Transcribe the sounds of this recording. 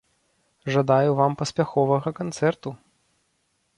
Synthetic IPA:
ʐad̪ajuvampɐsʲpʲaxɔvɐɣɐkant̪sɛrt̪u

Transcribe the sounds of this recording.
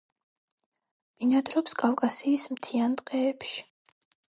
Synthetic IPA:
vinad̪ɾɔpskʼafkʼasiːsmt̪ʰiant̪ʼqʼɛːpʃi̥

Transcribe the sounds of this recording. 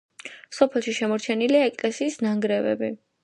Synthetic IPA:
sɔpʰɛlˠʃiʃɛmɔɾt͡ʃʰɛniliaɛkʼlɛsiːsnaŋɡɾɛvɛ̰bi

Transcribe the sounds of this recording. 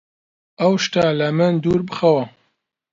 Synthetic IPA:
ɐwʃt̪aːlɐmɨnd̪uːɾbɨxɐwɐ

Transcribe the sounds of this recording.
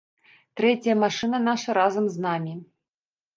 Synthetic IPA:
t̪ɾɛt͡sʲjɐmaʂɨnɐnaʂɐɾazɐmznamʲi

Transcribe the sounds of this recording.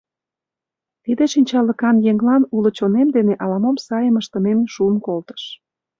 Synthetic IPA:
t̪id̪eʃinʲt͡ɕɑləkɑnjeŋlɑnulə̆t͡ɕonemd̪eneʔɑlɑmomsɑjəməʃt̪ə̆nemʃuənkolt̪ə̥ʃ

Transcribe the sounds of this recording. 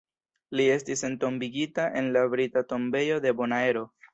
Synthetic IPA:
lie̞stise̞nto̞mbiɡitaʔe̞nlabɾitato̞mbe̞jo̞de̞bo̞nae̞ɾo̞

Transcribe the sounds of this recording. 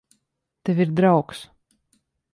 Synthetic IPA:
t̪evʲiɾd̪ɾawks

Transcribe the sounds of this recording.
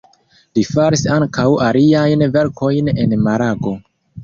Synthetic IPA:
lifaɾisaŋkawaliajnve̞ɾko̞jne̞̰nmaɾaɡo̞

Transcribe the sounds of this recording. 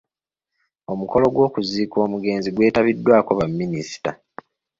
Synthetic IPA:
o̞muko̞lo̞ɡwo̞ːkuziːko̞ːmuɡe̞ːnziɡwe̞ːtaβidːwaːko̞βamːinisi̥ta

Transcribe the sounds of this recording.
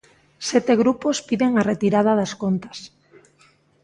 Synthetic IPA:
sɛt̪eɣɾupospiðeŋaret̪iɾaðaðaskont̪ɐ̥s

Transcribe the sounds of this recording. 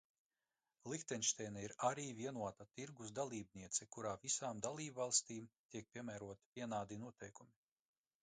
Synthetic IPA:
lˠixt̪ɛnʃt̪ɛjnɛiɾaɾiːviɛnuɔt̪at̪iɾɡusd̪alˠiːb̚niɛt̪sɛkuɾaːvisaːmd̪alˠiːbvalˠst̪iːmt̪iɛk̚pʲiɛmæɾuɔt̪i̥vʲiɛnaːd̪inuɔt̪ʰɛjkumi

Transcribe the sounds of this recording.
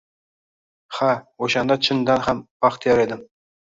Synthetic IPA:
χɑoɕɑnd̪ɑt͡ɕʰɤ̆nd̪ɑnχæmpɑχt̪jɑɾed̪ɘ̆m

